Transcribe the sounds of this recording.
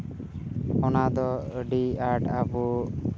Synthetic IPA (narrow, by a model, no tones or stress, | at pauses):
ɔnad̪ɔɖiaɾʈabu